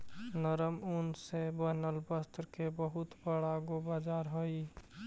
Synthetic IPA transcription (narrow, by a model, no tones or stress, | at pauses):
nəɾəmunsebənəlbəst̪ɾkebəɦʊt̪bəɽaɡobad͡ʒaːɾɦoi